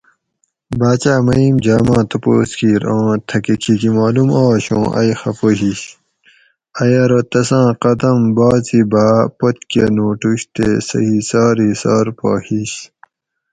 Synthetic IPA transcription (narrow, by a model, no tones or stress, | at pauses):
baːt͡ɕaːmɐimd͡ʑaːmãːt̪ɐpo̰ːskiːɾõːt̪ʰɐkikʰikimaːlumaːɕõːʔɐ̰jxɐpoɦiɕ | ɐjɐɾot̪ɐsãːqɐd̪ɐmbaːzibaːpot̪kenoːʈuɕt̪esɐ̰hisaːɾhisaːɾpo̰ːhiɕ